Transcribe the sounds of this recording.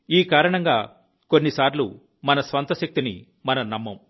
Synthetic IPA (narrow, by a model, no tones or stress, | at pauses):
iːkaːɾɐɳɐŋɡa̰ː | ko̞nːisaːɾlu | mɐnɐsʋɐnt̪ɐʃɐk̚t̪inḭ | mɐnɐnɐmːɐm